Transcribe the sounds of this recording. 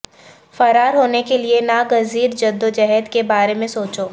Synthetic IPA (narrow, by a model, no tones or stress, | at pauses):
fɐɾaːɾɦoːnekelienaɡɐziːɾd͡ʒɐd̪ːod͡ʒɛɦɛd̪kebaːɾemẽsoːt͡ʃoː